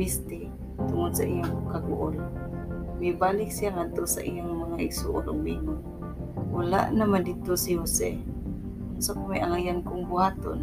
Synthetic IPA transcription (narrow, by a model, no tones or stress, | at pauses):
ist̪ɪ | t̪ʊŋod̪̚saʔijʊŋkaɡʊ̰ʔʊl | mibalɪk̚sijaŋad̪̚t̪osa̰ʔḭjoŋmaŋaʔɪɡsṵʔolo̰ɡ̚mimo | wala̰ʔnamand̪it̪osihosɛ̰ | sokomajʔaŋajankʊŋbʊhat̪o̰n